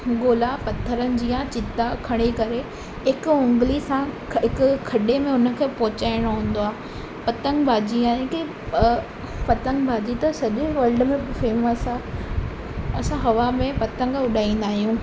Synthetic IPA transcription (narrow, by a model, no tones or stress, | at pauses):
ɡoːlapɐt̪ʰəɾənɪ̆d͡ʑiːjãt͡ɕɪt̪akʰɐɽ̃ekɐɾe | ɦɪkʊʊ̃ŋɡlisã | ɦɪkʊkʰɐɗemẽʊnə̆kʰeːpɔɦʊt͡ɕaːɪɽ̃oɦũːn̆d̪oaːɦ | pɐt̪ə̃ŋɡbʱaːd͡ʑiaːẽki | pɐt̪ə̃ŋɡbʱaːd͡ʑit̪ɐsɐʄʊʋɐːɾɖmẽfeːməsa | ɐsãɦɐʋamẽpɐt̪ə̃ŋɡʊɗaːĩːn̆d̪aːɦijũ